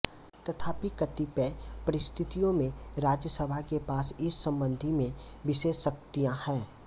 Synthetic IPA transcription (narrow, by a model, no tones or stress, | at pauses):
t̪ɐt̪ʰaːpikət̪ipɛpəɾɪst̪ʰɪt̪ijõmẽɾaːd͡ʒjəsəbʱakepaːsɪsːə̃mbə̃nd̪ʱimẽʋɪʃeːsːək̚t̪ijãhɛ̃ː